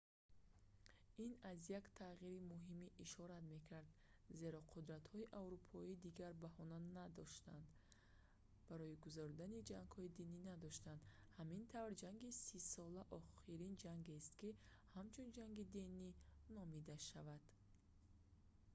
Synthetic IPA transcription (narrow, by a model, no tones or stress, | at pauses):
inazjakt̪ʰaʁiɾimuɦimiʔiʃɔɾat̪me̞kʰaɾd̪ze̞ɾɔqʰud̪ɾat̪hɔiʔavɾupʰɔid̪iɡaɾbahɔnanad̪ɔʃt̪and̪ | b̥aɾɔiɡuzaɾd̪anid͡ʒaŋɡ̥hɔid̪ininad̪ɔʃt̪and̪hamint̪ʰavɾd͡ʒaŋɡisisɔlaʔɔχiɾind͡ʒaŋɡest̪kihamt͡ʃʰund͡ʒaŋɡid̪ininɔmid̪aʃavad̪̥